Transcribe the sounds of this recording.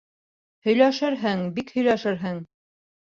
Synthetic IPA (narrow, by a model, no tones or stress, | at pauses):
hɵ̆jlæʃɘɾɦɘŋbikhɵ̆jlæʃɘɾɦɘŋ